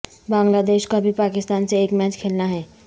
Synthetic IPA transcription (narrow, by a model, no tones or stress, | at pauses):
bãːŋɡlaːd̪eːʃkabʱipaːkɪst̪aːnseeːkmɛːt͡ʃkʰeːlnaɦɛː